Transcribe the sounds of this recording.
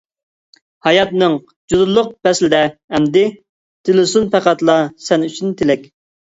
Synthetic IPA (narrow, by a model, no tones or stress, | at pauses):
hɑjɑt̪nɨŋ | d͡ʒud̪ʊlˠːʊq̚bɛslɪd̪ɛːmd̪ɪ | t̪ʰɪlɪsunpʰæqæt̪lˠɑsɛnyt͡ʃʰint̪ʰɪlɛkʲ